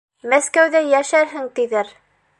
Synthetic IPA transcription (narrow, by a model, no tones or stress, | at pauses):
mæskæwðæjæʃæɾɦɘŋt̪iðɘɾ